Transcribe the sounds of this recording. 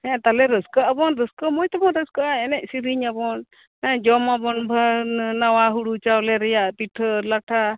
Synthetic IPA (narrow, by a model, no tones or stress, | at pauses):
ɛ̃t̪alɛɾəskəʔabɔnɾəskəmɔjt̪ɔbɔɾəskəʔaɛnɛʔ̚ˀsiɾiɲabɔn | ɛd͡ʒɔmabɔnbʱanawaɦuɽut͡ʃawlɛɾɛjaʔpiʈʰəlaʈʰa